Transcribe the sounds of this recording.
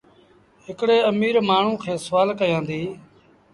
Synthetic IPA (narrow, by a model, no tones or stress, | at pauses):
ɦɪkɽeːəmiːɾmaːɳ̤ũːkʰeːsəʋaːlkəjãːnd̪iː